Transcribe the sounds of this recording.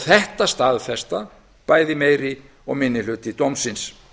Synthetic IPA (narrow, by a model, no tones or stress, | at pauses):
θɛht̪ast̪aːðfɛst̪a | paːjðɪmeːjɾɪ | ɔɣmɪnːɪlʏːt̪ɪt̪owmsɪns